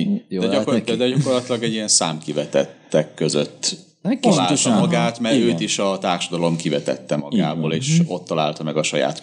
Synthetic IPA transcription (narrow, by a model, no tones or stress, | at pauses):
ɛɟɒkoɛd̪ɛɟɒko̞rlɒt̪ilɒɡɛɟijɛnsa̰ːmkivɛt̪ɛt̪ːɛkːø̞zø̰t̪ː | laːlt̪ɔmɒɡaːt̪mɛɾøːt̪iʃɒt̪aːrʃɒd̪ɒlo̞mkivɛt̪ɛ̰t̪ːɛmɒɡa̰ːboːleːʃo̞t̪ːɒla̰ːlt̪ɒmɛɡɒʃɒja̰ːt̪